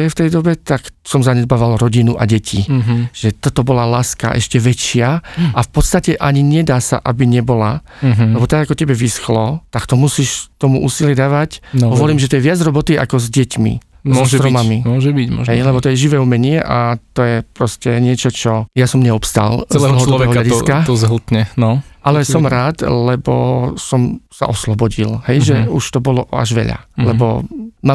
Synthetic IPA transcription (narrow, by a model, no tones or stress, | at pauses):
ɛft̪ɛjd̪ɔbɛt̪aksɔmzaɲɛd̪̚baːʋalɾɔɟinuʔa̰ɟɛcʰiʒ̥ɛt̪ɔt̪ɔbɔlalaːska̰ʔɛ̰ʃcɛʋɛt͡ʃɪaafpɔt̪st̪acɛʔaɲiɲɛd̪aːsa̰ʔabiɲɛbɔla | ɛbɔt̪aɡakɔcɛbɛʋisxlɔt̪akt̪ɔmusiʃt̪ɔmṵʔuːsilɪɛd̪aːʋacɦɔʋɔliːmʒɛt̪ɔjɛʋɪad͡zɾɔbɔt̪iʔa̰kɔzɟɛcmḭ | mɔsʒɛt̪ɾɔmaamimɔʒɛbiɟɔ̰ɦɛjlɛbɔt̪ɔjɛʒiʋɛːumɛɲɪɛʔat̪ɔjɛpɾɔscɛɲɪɛt͡ʃɔt͡ʃɔjasɔmɲɛɔpst̪a̰llɔɦɔdlɔɔʋɛːɦɔlaiskat̪ɔzɦl̩t̪ɲɛnɔalɛssɔmɾaːt̪lɛbɔ̰sɔmsa̰ʔɔslɔbɔɟilhɛjʒɛuʃt̪ɔbɔlɔa̰ʒʋɛ̰ʎa̰lɛbɔ̰ma